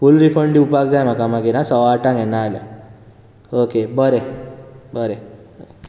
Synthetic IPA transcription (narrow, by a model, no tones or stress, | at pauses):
fulɾipʰəɳɖiupak̚d͡zajmãkamãɡiɾãsɔwaʈãŋɛ̃nːalja̰ | okebəɾebəɾe